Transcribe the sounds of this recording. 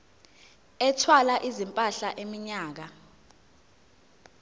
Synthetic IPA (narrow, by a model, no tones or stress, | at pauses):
ɛtʰwalaʔizimpʼaɬaʔemiɲaːk̬a